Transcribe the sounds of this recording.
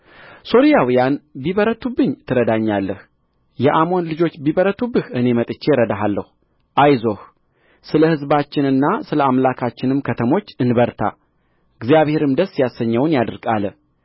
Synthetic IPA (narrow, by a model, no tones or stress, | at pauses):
so̞ɾijawijanbiβəɾət̪ʰubːɨɲːt̪ʰːɨɾəd̪aɲːalːəh | jɛʔamo̞nlɨd͡ʒo̞t͡ʃːbiβəɾət̪ʰubːɨhʔɨne̞mət̪ʼɨt͡ʃːeɾəd̪aɦalːəhu | ʔajzo̞h | sɨləhɨzbat͡ʃːɪnɨnːasɨləamlakʰat͡ʃːɪnɨmkʰət̪ʰəmo̞t͡ʃːɨnbəɾt̪ʰa̰ | ɨɡzijaβhe̞ɾɨmd̪əsːjasːəɲːəwnjad̪ɨɾɡʼalə